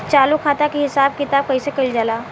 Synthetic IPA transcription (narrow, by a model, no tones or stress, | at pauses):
t͡ʃaːlokʰaːt̪akeɦɪsaːb̚kɪt̪aːb̚kɐisekɐild͡ʒalaː